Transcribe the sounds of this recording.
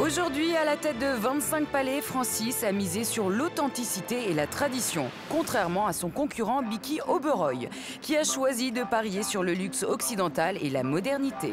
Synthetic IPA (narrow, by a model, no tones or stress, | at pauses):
oʒuʁd̪ɥialat̪ɛt̪̚d̪əvɛ̃t̪sɛ̃k̚palɛfχɑ̃sisamizesyʁlot̪ɑ̃t̪isit̪eːlat̪χad̪isjɔ̰̃ | kɔ̃t̪χɛʁmɑ̃asɔ̃kɔ̃kʲʰyʁɑ̃bikʲiobøʁɔj | kʲiaʃwazid̪əpaʁjesyʁləlyksɔksid̪ɑ̃t̪alelamɔd̪ɛʁnit̪ḛ